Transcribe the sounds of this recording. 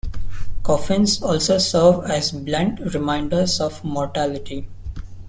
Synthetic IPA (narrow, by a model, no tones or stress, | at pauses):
kɔːfɪ̃nsɔːlsoːsəɾʋæzblæ̃ɳʈɾɪmãɪ̃ɳɖəɾzɔːʋmɔːɾʈælɪʈi